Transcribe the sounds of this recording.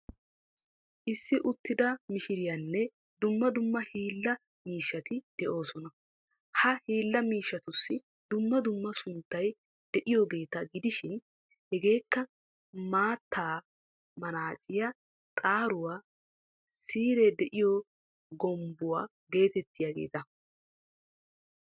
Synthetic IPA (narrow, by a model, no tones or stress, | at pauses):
ʔɪsːɪʔʊt̪ːɪd̪ɐmɪʃɪɾɪjɐnːɛ | d̪ʊmːɐd̪ʊmːɐhiːlːɐ | miːʃːɐt̪ɪd̪̥ɛʔo̞ːsɔnɐ | hɐhiːlːɐmiːʃːɐt̪ʊsːɪ | d̪ʊmːɐd̪ʊmːɐsʊnt̪ːɐj | d̪̥ɛʔɪjobe̞ːt̪ɐɡɪd̪ɪʃɪn | hɛɡe̞ːkːɐ | maːt̪ʰːaː | mɐnaːt͡ʃʼɪjɐ | t̪ʼaːɾʊwaː | siːɾed̪ɛʔɪjo | ɡɔmbʊwa̰ː | ɡe̞ːt̪ɛt̪ːɪjaːɡe̞̰ːt̪ɐ